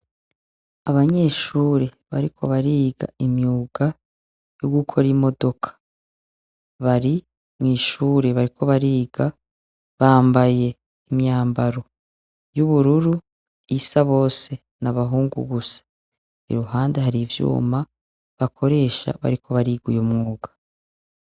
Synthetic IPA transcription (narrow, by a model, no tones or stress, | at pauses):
aβaɲe̞ːʃuːɾe | βaɾikʰo̞̰βaɾiːɡa̰imɲuːɡ̥a | joɡukʰo̞ɾimo̞do̞kʰḁ | βaɾi | mŋiːʃuːɾeβaɾikʰo̞βaɾiːɡa | βaːmbaje̞ | imjaːmbaɾo̞ | juβuɾuɾu | isaβo̞ːse̞ | naβaɦuːŋɡṵɡusḁ | ḭɾuɦaːnde̞ɦaɾivjṵːma | βakʰo̞ɾe̞ːʃa̰βa̰ɾikʰo̞βaɾiːɡujomŋuːɡḁ